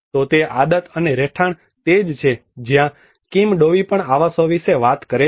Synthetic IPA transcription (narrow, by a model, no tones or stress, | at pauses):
t̪ot̪eʔad̪ət̪əneɾɛʈʰaɳ | t̪ed͡ʒt͡ʃʰed͡ʒjã | kimɖoʋipəɳaʋasoʋiʃeʋat̪kəɾe